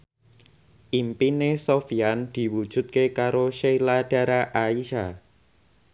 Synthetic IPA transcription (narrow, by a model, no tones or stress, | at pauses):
ʔimpinesofiand̪̥i̤wud̥ʒ̥ṳt̪̚kekaɾoʃeilaɖ̥a̤ɾaʔaiʃa